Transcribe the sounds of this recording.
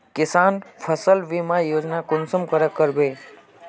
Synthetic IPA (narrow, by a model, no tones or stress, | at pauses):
kɪsanfʰəsəlʋimãjod͡ʒnakʊnsəmkəɾəkːəɾbe